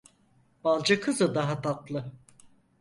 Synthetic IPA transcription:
b̥alˠd͡ʒakʰɯzɯd̪aɦat̪ʰat̪lˠɯ

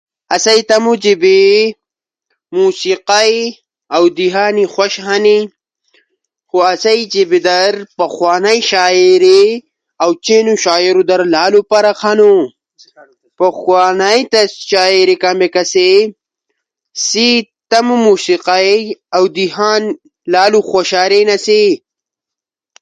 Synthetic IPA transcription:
ɐsajt̪ɐmud͡ʑibi | muːsiqaj | awd̪iɦaːnixwaʃɦani | xuasajd͡ʒibid̪ɐɾpɐxwaːnajʃaːiɾi | awt͡ʃenuʃaːiɾud̪ɐɾlaːlupaɾaxʰanu | pɐxwaːnajt̪ɐaːiɾikambekɐse | sit̪ɐmumusiqajawd̪iɦaːn | laːluxoɕaːɾenɐsi

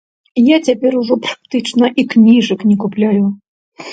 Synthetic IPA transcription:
jat͡sʲapʲɛɾuʐɔpɾakt̪ɨt͡ʂnɐʔiknʲiʐɨknʲɛkuplʲajʊ

